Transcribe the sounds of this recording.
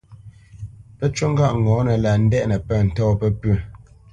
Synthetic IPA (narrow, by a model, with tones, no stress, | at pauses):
pə˦t͡ʃu˦ŋ̩˦ɡa˦˨ʔŋɔ̃˨˦nə˨la˨n̩˦dɛ˦ʔnə˨pɛ˦˨n̩˨tɔː˦pə˦pʉ˦˨